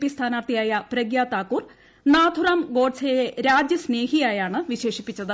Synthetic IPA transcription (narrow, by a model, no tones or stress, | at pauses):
pist̪ʰaːnaːrt̪ijaːjɐpɾɐɡjaːt̪aːkːuːr | naːd̪ʱuraːmɡo̞ːɖsejeɾaːd͡ʑjɐsne̞ːɦijaːjaːɳɨʋiɕe̞ːʂipːit͡ɕːɐðɨ